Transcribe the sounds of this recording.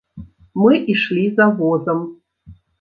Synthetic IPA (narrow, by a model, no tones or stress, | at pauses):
mɨʔiʂlʲizavozəm